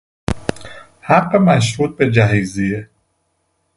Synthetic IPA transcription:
hæqːemæʃ̬ɾuːt̪̚bed͡ʒæɦizie

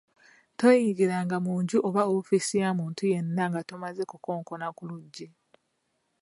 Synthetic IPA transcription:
to̞jiɡiɾaŋɡamuːɲɟuʔoβaofisijaːmuːntuje̞nːaŋɡato̞maze̞kuko̞ːŋko̞nakuluɟːe

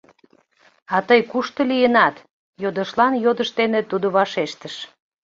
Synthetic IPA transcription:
ɑt̪əjkuʃt̪ə̆lijənɑt̪ | jod̪ə̆ʃlɑnjod̪əʃt̪enet̪ud̪oβɑʃeʃt̪əʃ

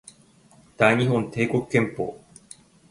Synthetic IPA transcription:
d̪̥aiɲ̟iɦõ̞nt̪e̞ːko̞kɯ̟̥kẽ̞mpo̞̰ː

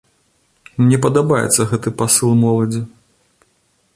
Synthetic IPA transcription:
mnʲɛp̬ɐd̪abajɛ̰t̪sːɐɣɛt̪ɨpasɨlˠmɔlˠɐd͡zʲi

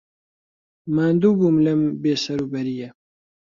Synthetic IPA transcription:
maːnd̪uːbuːmlembeːsɐɾuːbɐɾijɛ

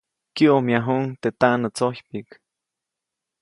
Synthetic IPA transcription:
kiʔomjaɦuŋt̪et̪aʔnət͡sohpik

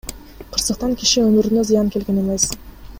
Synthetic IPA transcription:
qʰɯɾsɯq̚t̪ɑŋki̥ʃiømyɾynøzɨjɑŋke̞lɡe̞ne̞me̞s

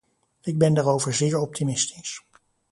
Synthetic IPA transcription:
ɪɡ̚bɛndaːɹowvəɹzɪːɹɔp̚tʰimɪstɪ̥s

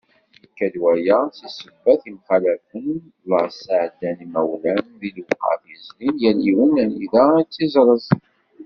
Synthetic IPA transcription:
əkːæd̪wæjæsisəbːæθimχælæfən | ləʁsaʕd̪ænimæwlænðilwqɑ̰fizlinjæliwənæniðæit͡sːizˤɾˤəzˤ

